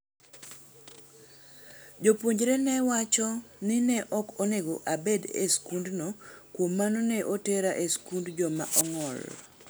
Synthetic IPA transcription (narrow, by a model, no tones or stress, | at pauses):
d͡ʒopwoɲd͡ʒɾenɛwat͡ʃɔnɪnɛʔɔkɔneɡoʔabedḛskundnokwomːanɔnɛʔoteɾaʔeskundd͡ʒɔma̰ʔɔŋɔl